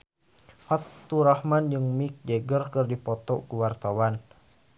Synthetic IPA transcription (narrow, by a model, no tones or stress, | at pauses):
fat̪ːuɾahmand͡ʒɨŋmik̚d͡ʒəɡərkɨrdipɔt̪ɔkuwart̪awan